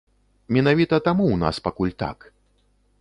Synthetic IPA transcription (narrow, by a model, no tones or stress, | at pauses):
mʲɛnavʲit̪ɐt̪amuwna̰spakulʲt̪a̰k